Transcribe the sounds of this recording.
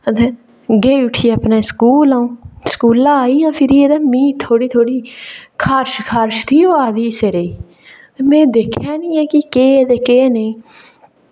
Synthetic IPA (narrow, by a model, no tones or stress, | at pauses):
ət̪eː | ɡeːiʊʈʰiːəpnẽːsə̥kuːlãːũːskuːlãːaːiːjãːpʰɪɾiːed̪aːmĩːt̪ʰːoːɽiːt̪ʰoːɽiːkʰaːɾʃkʰaːɾʃt̪ʰiːoːaːd̪iːseːɾeiː | t̪eːmɛ̃ːd̪eːkʰjaːnĩːɛːkɪkeːət̪eːkeːneĩː